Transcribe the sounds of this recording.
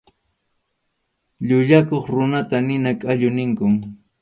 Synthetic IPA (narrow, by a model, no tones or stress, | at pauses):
ʎʊʎakoχɾʊnat̪anɪnakʼaʎʊnɪŋkʊm